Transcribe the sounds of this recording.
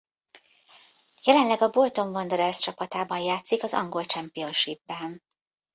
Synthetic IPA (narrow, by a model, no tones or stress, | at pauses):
jɛlɛnlɛɡɒbo̞lt̪o̞ɱvɒnd̪oɾɛrst͡ʃɒpɒt̪aːbɒnjaːt̪sikɒzɒ̰ŋɡo̞lt͡ʃɛmpijo̞nʃibːɛn